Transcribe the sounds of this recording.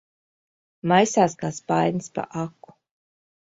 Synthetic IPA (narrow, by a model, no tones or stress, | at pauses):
majsaːskaːspajnspa̰ʔaku̥